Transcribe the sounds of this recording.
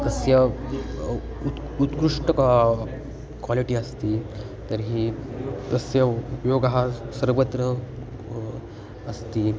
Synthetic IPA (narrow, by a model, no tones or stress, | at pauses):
t̪əsjə | ut̪kɾuʂʈək | kʋaliʈiːəst̪iː | t̪əɾɦiːt̪əsjəupjoɡɦasəɾʋət̪ɾə | st̪iː